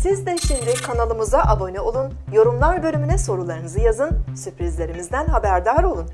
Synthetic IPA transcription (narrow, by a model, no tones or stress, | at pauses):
sizd̪ɛʃimd̪ɪkʰanalˠɯmuzaʔabo̞nɛo̞lˠun | jo̞ɾumlˠaɾbø̞lʲymynɛso̞ɾulˠaɾɯnɯzɯjazɯnsypɾizlʲe̞ɾimizd̪ænɦabæɾd̪aɾo̞lˠun